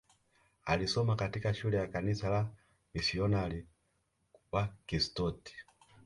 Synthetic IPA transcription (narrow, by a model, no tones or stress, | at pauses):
a̰lisɔmakatikaʃulɛjakanisala | misiɔnali | wakistɔti̥